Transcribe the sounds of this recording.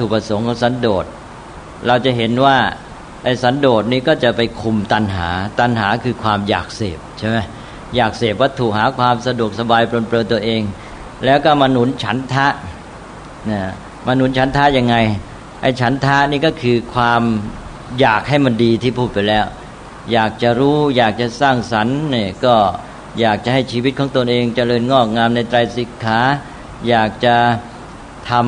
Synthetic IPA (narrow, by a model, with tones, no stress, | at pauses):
t̪ʰuː˨˩pa˧so˩˦ŋkʰɔː˨˦ŋsa˩˦ndoː˨˩t̪̚ | ɾa˧wt͡ɕa˨˩ɦe˩˦nwaː˥˩ | ʔa˧˩jsa˩˦˥ndoː˨˩t̪̚niː˥˩kɔː˥˩t͡ɕa˨˩pa˧jkʰu˧mt̪a˧nɦa̰ː˩˦t̪a˧nɦaː˩˦kʰɯː˧kʰwaː˧mja̰ː˨˩k̚sḛː˨˩p̚t͡ɕʰa˥˩jma˦˥j | jaː˨˩k̚seː˨˩p̬̚wa˦˥˩t̪ʰuː˨˩k̚ɦaː˩˦kʰwaː˧msa˧du˨˩ək̚sa˧baː˧jpɾo˧npɾɤː˧nt̪u˧ɐʔeː˧ŋ | lɛː˦˥wkɔː˥˩ma˧nu˨˩˦nt͡ɕʰa˦˥nt̪ʰa˦˥ʔ | naː˧˥˩ | maː˧nu˨˩˦nt͡ɕʰa˩˦nt̪ʰa˦˥ʔja˧ŋːa˧j | ʔa˧˩t͡ɕʰa˩˦˥nt̪ʰa˦˥niː˥˩kɔː˥˩kʰɯː˧kʰwaː˧m | jaː˨˩k̚ha˥˩jma˧ndiː˧t̪ʰiː˥˩pʰuː˥˩pa˧jlɛː˦˥w | jaː˨˩k̚t͡ɕa˨˩ɾuː˦˥jaː˨˩k̚t͡ɕa˨saː˥˩ŋsa˩˦nːiː˥˩kɔː˥˩ | jaː˨˩k̚t͡ɕa˨˩ha˥˩jt͡ɕʰiː˧wi˦˥t̪̚kʰɔː˩˦ŋt̪o˧nʔeː˧ŋt͡ɕa˧ɾɤː˧nŋɔː˥˩k̚ŋaː˧mna˧jt̪ɾa˧jsi˨˦kʰaː˩˦˥ | jaː˨˩k̚t͡ɕa˨˩ | t̪ʰa˧m